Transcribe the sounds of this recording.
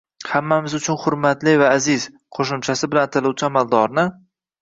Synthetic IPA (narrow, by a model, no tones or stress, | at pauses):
hamːamɪzʊt͡ʃʰʊnχʊɾmat̪lɪvaːzɪz | qʰoʃʊmt͡ʃʰasɪbɪlant̪ʰɪlˠʊwt͡ʃʰɪamalˠd̪ɒɾnɪ